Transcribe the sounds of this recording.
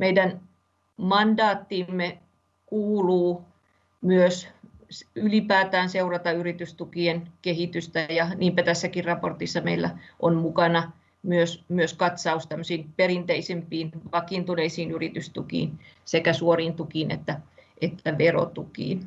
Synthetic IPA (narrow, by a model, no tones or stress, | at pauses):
meidæn | mɑndɑːt̪ːiːmːe | kuːluː | myøssylipæːt̪æːnseurɑt̪ɑyrit̪yst̪ukienkehit̪yst̪æjɑniːmpæt̪æsːækirrɑport̪isːɑmḛilːæ̰ʔonmukɑnɑ | myøsmyøskɑt̪sɑust̪æmːøsiːnpeɾint̪eisempiːnʋɑkiːnt̪uneisiːnyrit̪yst̪ukḭːnsekæsuoriːnt̪ukiːnḛt̪ːæʔet̪ːæʋero̰t̪ukḭːn